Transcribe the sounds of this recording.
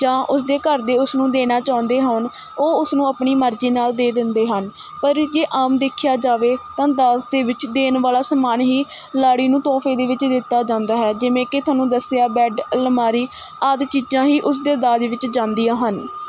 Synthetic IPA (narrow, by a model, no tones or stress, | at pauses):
d͡ʒãːʔʊs̬d̪eːkəɾd̪eːʊsnũːd̪eːnaːt͡ʃaːʊ̃nd̪eːɦən | oːʊsnũːaːpɳiːməɾd͡ʒiːnaːld̪eːd̪ɪnd̪eːɦən | pəɾd͡ʒeːʔaːmd̪eːkʰɪjaːd͡ʒaːʋeːt̪ãːd̪aːsd̪eːʋɪt͡ʃd̪eːnʋaːlaːsəmaːnɦiː | laːɽiːnũːt̪ɔːfʰeːd̪eːʋɪt͡ʃd̪ɪt̪ːaːd͡ʒãːnd̪aːɦɛːd͡ʒɪʋẽːkɪt̪ʰʊaːnːũːd̪əsɪjaːbɛːɖləmaːɾiː | əd̪t͡ʃiːd͡ʒãːɦiːʔʊs̬d̪eːd̪aːd͡ʒʋɪt͡ʃd͡ʒãːnd̪ijãːɦən